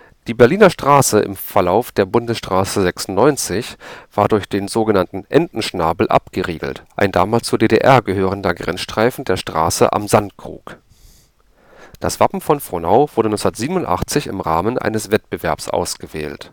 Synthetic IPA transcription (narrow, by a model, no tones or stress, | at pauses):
d̥iːbɛɐliːnɐʃtʁ̥aːsəʔɪ̰mfɛɐlaʊfd̥eːɐbʊndəsʃtʁ̥aːsəzɛksʊn̩nɔʏnt͡sɪçv̥aːɐdʊɐçd̥eːnzoːɡənantn̩ʔɛndn̩ʃnaːbl̩ʔa̰pɡ̥əʁḭːɡl̩tʔa̰ɪnda̰ːmaːlst͡suːɐdeːdeʔɛɐɡəɦøːʁ̞əndɐɡʁɛ̰nsʃtʁ̥aɪfn̩deːɐʃtʁ̥a̰ːsə̰ʔa̰mzantkʁ̥ṵːk | d̥a̰sv̥apm̩fɔnfʁ̥onaʊvʊɐdənɔnsnɐtz̥iːbnʊntʔa̰χt͡sɪçɪ̰mʁaːmənʔa̰ɪnəsv̥ɛt̚b̥əvɛɐpsʔa̰ʊsɡ̥əvɛ̰ːlt